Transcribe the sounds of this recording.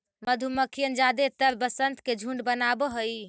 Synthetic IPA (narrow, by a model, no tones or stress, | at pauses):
məd̪ʱuməkʰijənd͡ʒad̪et̪əɾbəsənt̪ked͡ʒʱuɳɖbənabəɦoj